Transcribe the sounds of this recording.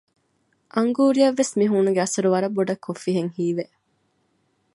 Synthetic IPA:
ʔɐŋɡuːɾijɐʋːesmiɦuːnuɡeɐsɐɾuʋɐɾɐbːoɖɐkʰːofːiɦeŋhiːʋe

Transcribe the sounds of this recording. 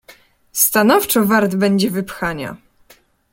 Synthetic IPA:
st̪anɔft͡ʂɔvaɾd̪bɛɲd͡ʑɛvɘpxaɲa̰

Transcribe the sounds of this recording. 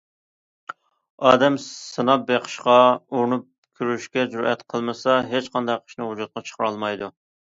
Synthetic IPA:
ɑːd̪ɛmssɨnɑp̚beqʰə̥ʃqɑuɾnup̚ | kʲʰyɾyʃkʲɛd͡ʒuɾɛ̰t̪qʰəlˠmɨsɑɦet͡ʃqʰɑnd̪ɑqʰə̥ʃnɨɦud͡ʒut̪̚qɑt͡ʃʰə̥χʰəɾɑlˠmɑjd̪u

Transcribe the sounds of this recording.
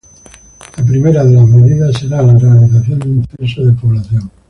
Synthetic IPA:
lap̬ɾime̞ɾaðe̞lazmeðiðasːe̞ɾaːlarealiθaθjo̞nd̪unfesoðepoβlaθjoŋ

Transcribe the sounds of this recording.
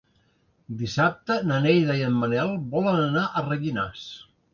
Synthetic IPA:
d̪isap̚t̪ənənɛjðəiəmːənɛlˠbɔlənənaʔərəɣina̰s

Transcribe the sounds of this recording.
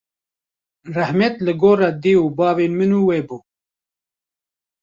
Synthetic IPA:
rahmet̪lɨɡoːɾad̪iːuːbɑːveːnmɨnuːweːbuː

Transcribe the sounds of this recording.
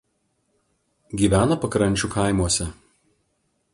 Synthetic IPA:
ɡʲiːʋʲæːnɐpɐkɾɐnʲt͡ʃʲʊkɐˑɪmuɔsʲɛ

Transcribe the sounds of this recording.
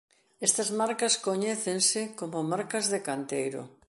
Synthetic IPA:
est̪ɐzmaɾkɐskoɲɛθensɪkomomaɾkɐzðekant̪ejɾʊ̰

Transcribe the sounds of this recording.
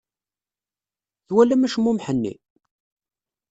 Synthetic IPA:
ðwælːæmæʃəmːumħənːḭ

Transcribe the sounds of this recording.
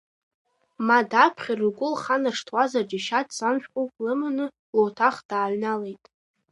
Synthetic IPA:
madapʰχʲarɨɡʷʊlχanarʂtʰwazard͡ʒaʃatʰʼsamʃᶣqʷʼowpʼlɨmanɨ | lotʰaχd̥aːɥnalejtʼ

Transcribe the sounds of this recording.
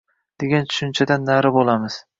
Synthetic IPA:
d̪̥e̞ɡʲant̪ʰʊ̥ʃʊnt͡ʃʰad̪anːaɾɪbolˠamɪz̥

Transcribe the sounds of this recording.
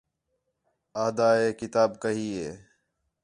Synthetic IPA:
aːd̪aːɦeːkɪt̪aːbkəɦiːɦeː

